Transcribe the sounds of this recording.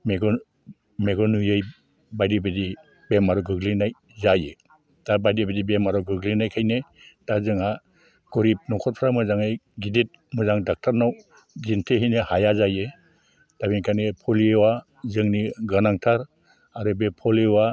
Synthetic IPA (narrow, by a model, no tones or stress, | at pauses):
meɡɔ | meɡɔnujɯj | bajdibedi | bemaɾɔɡɯɡlinaj | zaje | d̥abajdibedibemaɾɔɡɯɡlinajkʰajne | tazɯŋa | ɡ̥ɔɾip̚nɔkʰɔt̚pʰɾamɯzaŋajɡidit̚ | mɯzaŋdak̚tʰaɾnaw | ɡintʰeɦinehajazaje | d̥abinkʰanipʰɔliewa | zɯŋniɡɯnaŋtʰaɾ | aɾɯbepʰɔlewa